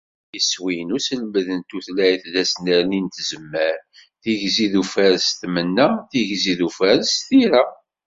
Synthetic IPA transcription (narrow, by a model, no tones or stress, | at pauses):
iswijənusəlməðənt̪uθlæjθðæsnəɾnint̪zəmːəɾθiʝziðufæɾst̪mənːæθiʝziðufæɾsθiɾæ